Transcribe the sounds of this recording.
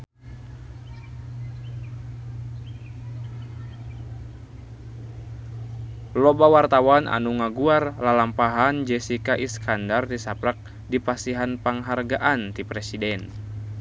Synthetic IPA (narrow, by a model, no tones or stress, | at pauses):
lɔbawart̪awanʔa̰nuŋaɡuarlalampaɦand͡ʒɛsikaʔiskandard̪isapɾak̚ | dipasiɦanpaŋɦarɡaʔant̪ipɾɛsidɛn